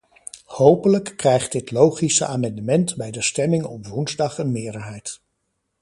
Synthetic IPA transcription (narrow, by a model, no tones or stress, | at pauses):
howpələkːrɛjχt̚dɪtlowχisə̰ʔaːmɑndəmɛntbɛjdəstɛmɪŋɔpʋunzdɑχənmɪːɹdəɹɦɛjt